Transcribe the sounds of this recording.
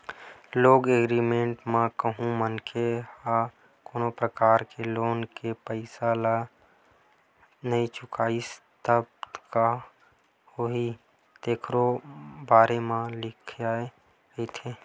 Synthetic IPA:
loːɡeɡɾiːmẽːɳʈmãkəɦũmənkʰeha | koːnopɾəkaːɾkeloːnkepəɪsala | nəĩt͡ʃʊkaːist̪əb̪ka | hoɦi | t̪eːkʰɾobaːɾemãlɪkʰjae | it̪ʰeː

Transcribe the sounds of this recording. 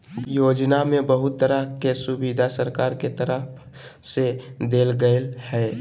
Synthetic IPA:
joːd͡ʒnamẽbəɦʊt̪ːəɾəkesʊbid̪ʱasəɾkaːɾket̪əɾəpʰ | sed̪eːlɡəlhɛː

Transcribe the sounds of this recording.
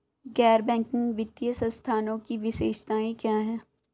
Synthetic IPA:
ɡɛːɾbɛ̃ːŋkɪ̃ŋɡʋɪt̪ːijəsəst̪ʰaːnõkiʋɪʃeːʃt̪aːẽkjaːɦɛː

